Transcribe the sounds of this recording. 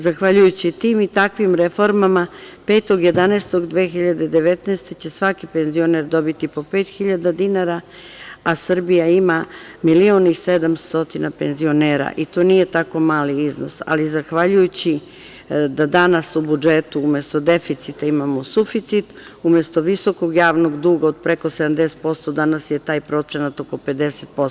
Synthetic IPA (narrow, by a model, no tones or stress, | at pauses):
zaxʋaʎujut͡ɕit̪iːmit̪akʋimɾefo̞ɾmamape̞ːt̪o̞ɡje̞d̪anest̪o̞ɡd̪ʋeːxiʎad̪e̞d̪e̞ʋe̞t̪neːst̪e̞t͡ɕe̞sʋakipe̞nzio̞neɾd̪o̞bit̪ipo̞pe̞ːt̪xiʎad̪ad̪inaɾa | asr̩bijaimamilio̞nised̪amst̪o̞t̪inape̞nzio̞neːɾa̰ʔit̪o̞ːnije̞t̪ako̞maːliizno̞̰sa̰lizaxʋaʎujut͡ɕi | d̪ad̪anasubud͡ʒet̪uume̞st̪o̞d̪e̞fit̪sit̪aimamo̞sufit̪sit̪ume̞st̪o̞ʋiso̞ko̞ɡjaːʋno̞ɡd̪uːɡaod̪̚pɾe̞ko̞sed̪amd̪e̞set̪po̞st̪od̪anasjet̪aːjpɾo̞t̪se̞nat̪o̞ko̞pe̞d̪e̞set̪̚pos